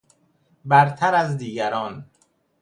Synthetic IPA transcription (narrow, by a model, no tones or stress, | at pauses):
bæɾt̪ʰæɾæzd̪iːɟæɾɒːn